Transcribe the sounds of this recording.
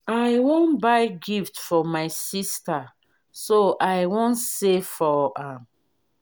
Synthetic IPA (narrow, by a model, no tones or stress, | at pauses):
ajwõnbaɪɡiftfɔmaɪsista | soʔajwɔ̃nsefɔãm